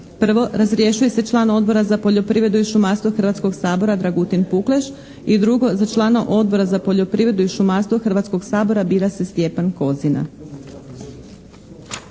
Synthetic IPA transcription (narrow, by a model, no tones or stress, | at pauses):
pr̩ʋo̞ɾazɾje̞ʃuje̞se̞t͡ʃlˠaːno̞d̪̚bo̞ɾazapo̞ʎo̞pɾiʋɾe̞d̪uiʃumast̪voxr̩ʋat̪sko̞ɡsaːbo̞ɾad̪ɾaɡut̪inpuklˠeʃ | id̪ɾuɡo̞zat͡ʃlˠaːnaʔo̞d̪̚bo̞ɾazapo̞ʎo̞pɾiʋɾe̞d̪uiʃumast̪ʋoxr̩ʋat̪sko̞ɡsaːbo̞ɾabiːɾase̞st̪je̞panko̞zina̰